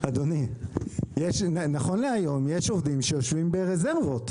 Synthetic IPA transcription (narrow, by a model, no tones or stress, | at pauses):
ad̪oni | jeʃnnaχo̞nleajo̞mjeʃovd̪imʃejo̞ʃvimbe̞ʁeze̞ʁvo̞t̪